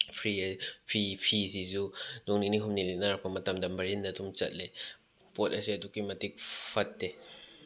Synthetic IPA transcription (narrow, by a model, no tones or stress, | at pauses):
fʰɾifʰipʰisizunɔŋniniɦumniliʔnaɾpamatamdambaɾindatumt͡sɐ̰t̚le | pɔt̚asiatukimatik̚fʰɐt̚ːe